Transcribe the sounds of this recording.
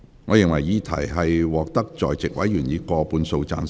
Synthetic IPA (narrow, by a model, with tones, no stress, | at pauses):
ŋɔː˨˧jɪ˨ŋwɐ˨˩jjiː˨˧˥t̪ʰɐ̰˨˩jɦɐ˨jwɔː˨k̚t̪ɐ˥k̚t͡ʃɔː˨jt͡sɪ˨k̚wɐ˨˥jyː˨˩njiː˨˧kɔː˧puː˨˧nso˧wt͡sa̰ː˧n